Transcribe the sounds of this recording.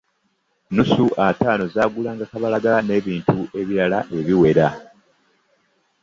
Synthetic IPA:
nusuʔataːno̞zaːɡulaːŋɡakaβalaɡane̞ːβiːntuʔe̞βiɾalaʔe̞βiwe̞ɾa

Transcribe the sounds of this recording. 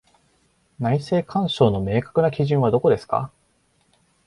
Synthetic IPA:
naise̞ːkʰãɰ̃ɕo̞ːno̞me̞ːkḁkɯ̟nakʲiʑɨ̃ɰ̃β̞ad̪o̞ko̞d̪e̞sɨ̥ka̰

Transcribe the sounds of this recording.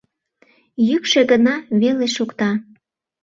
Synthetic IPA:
jykʃeɣənɑβeleʃukt̪ɑ

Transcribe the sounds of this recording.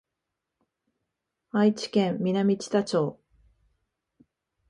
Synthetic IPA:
ait͡ɕi̥kẽ̞mːʲinamʲit͡ɕi̥t̪at͡ɕo̞ː

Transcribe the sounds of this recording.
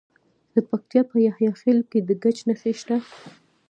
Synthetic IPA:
d̪̥əpak̚t̪ijɑpəjahjɑxelked̪əɡat͡ʃnaxeʃt̪a

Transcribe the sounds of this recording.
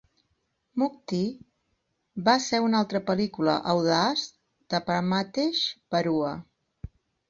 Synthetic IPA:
muk̚t̪i | βaseunalˠt̪ɾəpəlikulə̰ʔəwðas | d̪̥əpaɾmat̪eʃpəɾuə

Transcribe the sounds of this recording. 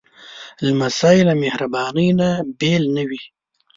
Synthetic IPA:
lamasɑjɪlamehɾabɑnəjnabelnəwi

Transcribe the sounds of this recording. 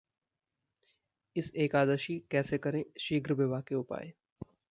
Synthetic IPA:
ɪseːkaːd̪əʃikɛːsekɐɾẽʃiːɡɾbeʋaːkeʊpa̰ːeː

